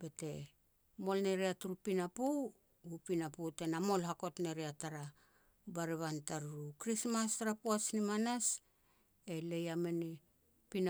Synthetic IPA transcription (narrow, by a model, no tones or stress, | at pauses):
be̞te̞ | mo̞lne̞ɾiatuɾupinapuw | upinapute̞namo̞lɦako̞tne̞ɾiataɾa | baɾiβantaɾuɾukɾismastaɾapuasnimanas | elejameni | pina